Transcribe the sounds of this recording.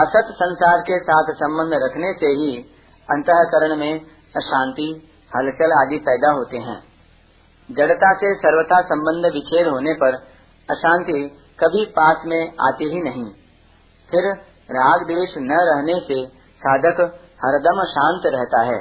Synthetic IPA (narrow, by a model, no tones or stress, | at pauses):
ɐsət̪sə̃nsaːɾkesaːt̪ʰsɐ̃mbə̃nd̪ʱɾɐkʰneseɦi | ɐ̃nt̪əɦəkəɾəɽ̃mẽ | ɐʃãːnt̪i | hɐlʃəlaːd̪ipɛːd̪aɦoːt̪eɦɛ̰̃ː | d͡ʒɐɽt̪asesɐɾwət̪ʰasɐ̃mbə̃nd̪ʱʋɪt͡ʃʰeːlɦoːnepɐɾ | ɐʃãːnt̪i | kɐbʱipaːsmẽa̰ːt̪eɦinɐɦĩ | pʰɪɾ | ɾaːɡd̪eːʃnɐɾɐɦnese | saːd̪ʱək | hɐɾd̪əmʃãːnt̪ɾɛɦt̪aɦɛː